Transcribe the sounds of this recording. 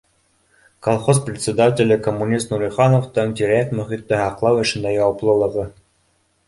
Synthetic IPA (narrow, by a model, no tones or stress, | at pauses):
kolˠχos̬prʲɪt̪ʲsʲɪd̪atʲɪ̆lʲɘkomːunʲist̪nuɾiχɑnoft̪ɤŋt̪ʲiɾʲæk̚t̪mɵ̆χʲit̪ːɘhɑqlˠɑwɘ̆ʃɘ̆nd̪ɑjɑwɑplˠɤ̆lˠɤ̆ʁɤ